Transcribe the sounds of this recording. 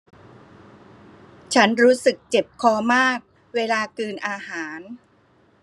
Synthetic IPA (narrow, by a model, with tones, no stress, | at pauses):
t͡ɕʰa˦˥nɾuː˦˥sɯ˨˩k̚t͡ɕe˨˩p̚kʰɔː˧maː˥˩k̚ | weː˧laː˧kɯː˧nʔaː˧haː˩˦n